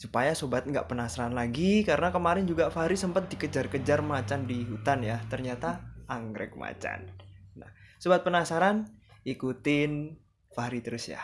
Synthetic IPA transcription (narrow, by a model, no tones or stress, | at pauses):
supajasobat̪̚ŋɡa̰ʔpənasaɾanlaɡikaɾənakəmaɾɪnd͡ʒuɡafaɾisəmpət̪̚dikəd͡ʒarkəd͡ʒarmat͡ʃandiɦut̪anjat̪ərɲat̪aʔːŋɡɾɛ̰k̚ma̰t͡ʃa̰nna̰hsobat̪̚pənasaɾanʔikut̪ɪn | faɾit̪əɾʊsja̰